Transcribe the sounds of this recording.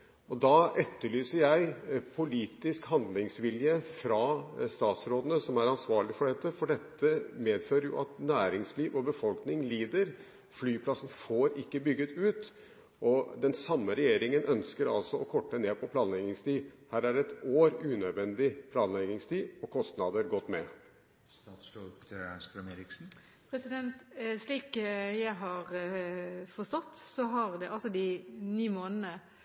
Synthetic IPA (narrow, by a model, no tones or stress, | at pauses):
ɔd̪ɑːɛt̪ːəɭyːsəɾjæɪpʰʊliːt̪ɪskhɑnd̪lɪŋsʋɪljəfɾɑst̪ɑːt̪sɾoːd̪ənəsɔmæɾɑnsʋɑːɭɪfɔɖɛt̪ːəfɔɖɛt̪ʰːəmeːd̪føːɾəɾjʊ̰ʔɑt̪næːɾɪŋsliːʋɔbəfɔlknɪŋliːd̪əɾ | flyːpʰlɑsn̩foːɾɪkːəbʏɡːət̪ʉːt̪ | ʔɔd̪ɛnsɑmːəɾɛjeːɾɪŋənʔœnskəɾɑlsɔɔkʰɔʈːəneːpʰɔpʰlɑːnlɛɡɪŋst̪iːhæːɾæɖɛt̪oːɾʉːnœd̪ʋɛnd̪ɪpʰlɑːnlɛɡɪŋst̪iːɔkʰɔst̪nɑd̪əɾɡɔt̪ːmɛ | st̪ɑt̪slɔtst̪ɾəmeɾɪksn̩ | pʰɾɛsɪd̪ɛnt̪sliːkjæɪɦɑɾ | fɔst̪ɔt̪ːsɔɦɑʁd̪ɛʔɑlsɔd̪ɪniːmoːnənə